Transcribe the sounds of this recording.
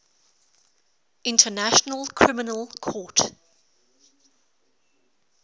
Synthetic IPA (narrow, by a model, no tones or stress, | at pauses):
ɪ̃ntʰənaʃənəlˠkʰɹ̥ɪmɪnəlˠkʰɔˑt